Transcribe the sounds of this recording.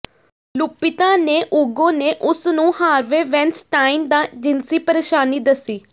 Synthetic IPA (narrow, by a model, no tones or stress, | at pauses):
lʊpːɪt̪ãːneːʔuːɡõːneːʔʊsnũːhaːɾʋeːʋɛ̃nsʈaːimd̪ãːd͡ʒɪnsiːpəɾeːʃaːniːd̪əsiː